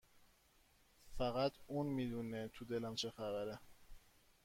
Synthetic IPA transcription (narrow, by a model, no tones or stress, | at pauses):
fæɣæt̪ʰunmiːd̪unet̪ʰud̪elæmt͡ʃʰexævæɾe